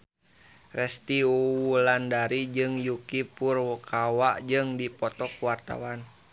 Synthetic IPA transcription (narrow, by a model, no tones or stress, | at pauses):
rɛst̪iuulandaɾid͡ʒɨŋjukipurwɔkʰawaʔd͡ʒɨŋdipɔt̪ɔkuwart̪a̰wan